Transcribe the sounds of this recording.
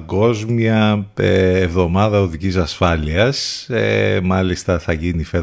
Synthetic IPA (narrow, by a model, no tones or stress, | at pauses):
ɡo̞zmjɐeevðo̞mɐðɐoðicisɐsfɐliɐsemɐlist̪ɐθɐʝinife